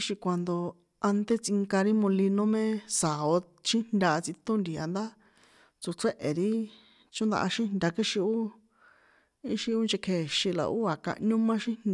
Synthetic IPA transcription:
ʃi˧kʷa˧nd̪o˧ | a˧nt̪e˦t͡si˧ŋka˧ɾi˦mõ˧li˧nõ˦mẽ˦sa˨o˧ | t͡ʃĩ˦nd̪ʲa˧t͡si˧t̪õ˦nd̪i˨a˧nd̪a˦ | t͡su˧t͡se˦ʔe˨ɾi˦ | t͡ʃũ˦nd̪a̰˧ʔa˧ʃĩ˦nd̪ʲa˧ki˦ʃi˧u˦ | i˦ʃi˧u˦nd͡ʒe˧kʰe˧˨ʃĩ˧la̰˨ʔu˦a˨kã̰˧ʔɲũ˦mã˦ʃĩ˦n

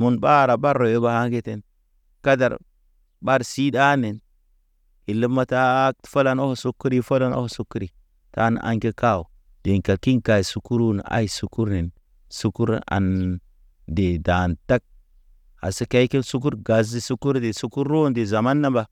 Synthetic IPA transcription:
mu˨nba˦ɾa˨ba˦ɾo˨jo˦ba˦ha˦ŋɡe˦te˦n | ka˦da̰˨ɾ | ba˦ɾsi˦da˦ne˨n | i˨li˦mːa˦ta˦tfo˦la˦no˦ho˨su˦kːu˦ɾi˦fo˦la˦no̰˦hsu˦kːu˦ɾi˨ | ta̰˨˦n̰˨ʔa̰˨ŋke˦ka˦u˨ | d̥e˨ŋka˨ki˦nka˨su˦ku˦ɾu˦n˨a̰˦i˨su˦ku˦ɾne˨n | su˦ku˦ɾa̰˨n | de˨da˨nta˦k̚ | a̰˨si˦ka˦i˦ki˦nsu˦k̬u˦ɾɡa˨zi˦su˦ku˦ɾde˨su˦ku˦ɾːo˦nde˨za˨ma˦nːa˦ba˨

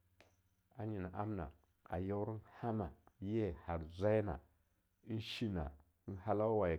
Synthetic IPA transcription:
a˨ɲi˨na˨ʔa˦mna̰˨ | a̰˨jo˦wɾi˦nha˦ma˨˦je˦˨ha˨ɾzʷa˦jna̰˨˦ | n˦ʃi˦na̰˨˦ | n˦ha˦la˦wa˨

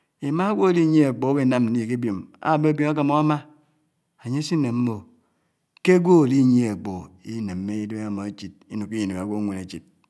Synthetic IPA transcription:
i˨ma˦ɡʷo˦˨li˦ɲe˦e˨k͡po˨˦be˦˨na˨mn̩˦i˨ke˦bjo˨ma̰˦˨be˦bjo˨ma˦ka˨mo˦a˦ma˦ | a˨ɲe˦si˦ne˨m̩˦mo˨ | ke˦ɡʷo˦˨li˦˨ɲ˦e˦a˨k͡po˨i˦ne˨m̩ː˦e˦i˦de˦e˦a˨mo˨e˦t͡ʃi˨t̚i˦nu˨ki˦ji˨ne˨a˨ɡʷo˦ŋʷe˨ne˨t͡ʃi˨t̚

